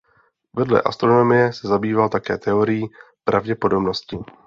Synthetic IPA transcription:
vɛdlɛ̰ʔa̰st̪ɾo̞no̞mɪjɛsɛzabiːvalt̪akɛ̰ːt̪ɛo̞ɾɪjiː | pɾavɟɛpo̞do̞bno̞scɪ

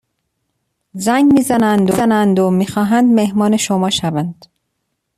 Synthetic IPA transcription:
zæŋɡmiːzænænd̪onænd̪omiːxɒːɦænd̪mehmɒːneʃomɒːʃævænd̪̥

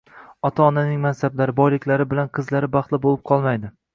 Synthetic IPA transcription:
ɒt̪ʰaɒnanɪŋmansablaɾɪbɒjlɪkʲlaɾɪbɪlanqʰɨzlaɾɪbɑχt̪lˠɪbolˠɪp̚qʰɒlˠmajd̪ɪ

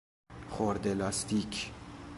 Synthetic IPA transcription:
χoɾd̪elɑst̪ikʰ

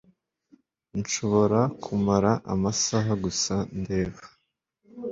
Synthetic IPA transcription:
nʃo̞βo̞ɾakʰumaɾaʔa̰masaɦaɡusande̞ːvḁ

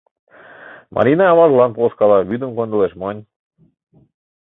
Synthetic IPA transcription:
mʔɑ̰ɾʲinɑːβɑʒlˠɑnpolskɑlɑβyd̪ə̆mkond̪əleʃmonʲ

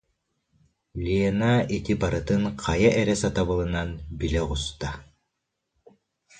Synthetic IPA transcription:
lʲiɛnait̪ibaɾɯt̪ɯnqajaʔɛɾɛsat̪aβɯlˠɯnanbilɛʁust̪a

